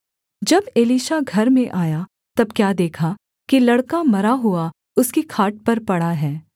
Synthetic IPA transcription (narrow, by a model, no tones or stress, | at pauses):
d͡ʒɐbeːliːʃaɡʱɐɾmẽʔaːja | t̪ɐb̚kjaːd̪eːkʰa | kilɐɽkamɐɾaɦʊa | ʊskikʰaːʈ̚pɐɾpɐɽaɦɛː